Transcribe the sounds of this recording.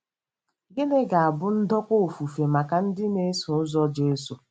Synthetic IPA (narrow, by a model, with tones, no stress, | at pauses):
ɡe˦ne˦ɡa˨a˨bʊ˦n̩˦dɔ˦kʷo˦o˨fu˨fe˨ma˨ka˨n̩˦dɪ˦ne˦su˨ʊ˦zɔ˦d͡ʒe˦so˨